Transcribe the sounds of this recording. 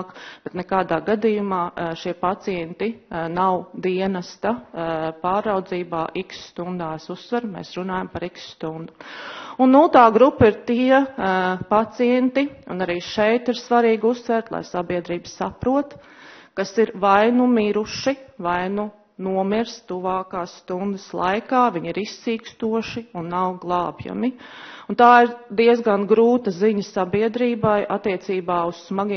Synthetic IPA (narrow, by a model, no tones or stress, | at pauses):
kb̥ɛt̪nɛkaːd̪aːɡad̪ijumaːʃiɛpat̪siɛnt̪inawd̪iɛnɐst̪apaːɾːawd̪ziːbaːʔiksst̪und̪aːɛsusːʋɛɾmḛːsɾunaːjampaɾiksst̪und̪uunːulˠt̪aːɡɾupːiɾt̪iɛpat̪siɛnt̪iṵnaɾiːʃɛjt̪iɾsʋaɾiːɡusːʋɛɾt̪lˠa̰jsabiɛd̪ɾiːbsapɾuɔt̪ | kasiɾvajnumiɾuʃivajnu | nuɔmiɾst̪uʋaːkaːsst̪und̪əslˠa̰jkaːʋiɲiɾisːiːkst̪uɔʃiunːawɡlˠɑːbja̰mi | unt̪aːiɾd̪iɛzɡanɡɾuːt̪ɐziɲəsabiɛd̪ɾiːbajʔa̰t̪ːiɛsiːbaːussmaɡi